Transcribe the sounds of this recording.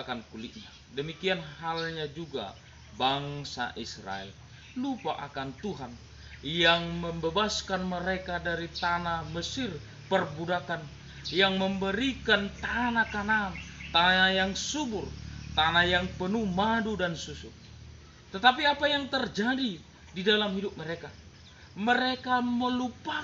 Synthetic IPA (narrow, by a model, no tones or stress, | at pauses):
kankuliʔ̪̚ɲa | dəmikianhalɲad͡ʒuɡa̰ | baŋsa̰ʔisra̰ɛ̰l | lupaʔakant̪uɦan | jaŋməmbebaskanməɾekadaɾit̪anaməsɪr | pərbudakan | jaŋməmbəɾikant̪anakanaːnt̪anajaŋsuburt̪anajaŋpənumadudansusu | t̪ət̪apiapajaŋt̪ərd͡ʒadi | didalamɦidup̚məɾeka | məɾekaməlupa